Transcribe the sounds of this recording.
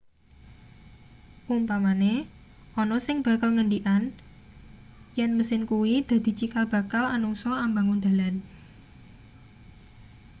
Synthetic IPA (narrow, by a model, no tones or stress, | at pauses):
ʔumpamane | ʔɔnɔsɪŋb̥ä̤kalŋəɳɖiʔan | jɛnməsɪnkuwid̪̥ä̤d̪̥i̤t͡ʃikab̥a̤kalanuŋsɔambaŋund̪̥a̤lan